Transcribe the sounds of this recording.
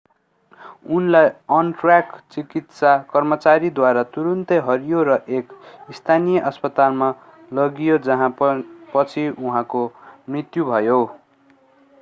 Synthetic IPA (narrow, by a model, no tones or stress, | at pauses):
unlajʌnʈrakt͡sikit̪sakʌrmʌt͡saɾid̪waɾat̪uɾʌnt̪ʌɦʌɾijoɾʌʔekist̪ʰanijʌʔʌspʌt̪alma | lʌɡijod͡zʌɦãpʌt͡sʰiuɦãkomrit̪jubʱʌjo